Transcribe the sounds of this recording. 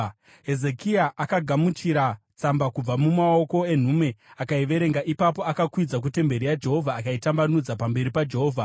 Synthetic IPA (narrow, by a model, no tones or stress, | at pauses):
ɦe̞ze̞kiaʔakaɡʱamut͡ʃiɾa | t͡sambakub͡vamumao̞ko̞e̞n̤ume̞akaiʋe̞ɾe̞ŋɡaʔipapo̞akakwid͡zak̬ute̞mbe̞ɾijad͡ʒe̞ɦo̞vʱaːkaitambanud͡zapambe̞ɾipad͡ʒe̞ɦoːvʱa